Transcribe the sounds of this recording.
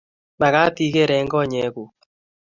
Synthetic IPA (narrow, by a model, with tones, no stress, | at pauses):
ma˨ɣa˦ti˦ɣe˦˨ɾɛ˨˦ŋɡɔ˦˨ɲɛ˨˦ɣu˨